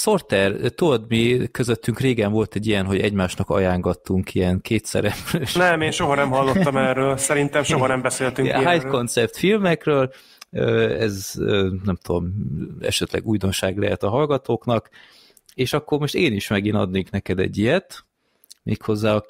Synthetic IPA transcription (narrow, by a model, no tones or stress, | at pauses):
so̞rt̪ɛrt̪od̪mikøzøt̪ːyŋkreːɡɛɱvo̞lt̪ɛɟːijɛnɦo̞ɟɛɟmaːʃnɒkɒ̰jaːŋɡɒt̪ːuŋkijɛnkʰeːt̪sɛ̰ɾɛpɾøʃnɛmeːnʃoɦɒnɛmɦɒlːot̪ːɒmɛrøːlsɛɾint̪ɛmʃoɦɒnɛmbɛseːlt̪yŋɦaj̪kko̞nt̪sɛpt̪filmɛkrøːl | øːɛzøːnɛmt̪ud̪o̞mɛ̰ʃɛt̪lɛ̰ɡujd̪o̞nʃaːɡlɛɦɛt̪ɒɦɒlɡɒt̪oːknɒk | eːʃɒkːo̞rmo̞ʃt̪eːniʃmɛɡinɒ̰d̪neːknɛkɛd̪ɛ̰ɟːijɛt̪ | meːkho̞zːaːɒ